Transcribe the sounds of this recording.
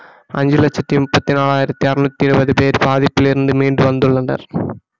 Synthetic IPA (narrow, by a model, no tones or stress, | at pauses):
ɐ̰ɲd͡ʑilɐt͡ɕːɐtːimupːɐt̪ːinaːɭaːjiɾɐt̪ːiɐrunɐt̪ːiɾubɐðipeːɾbaːðipːiliɾund̪ɨmiːɳɖɨʋɐnd̪uɭːɐɳɖɐ̰r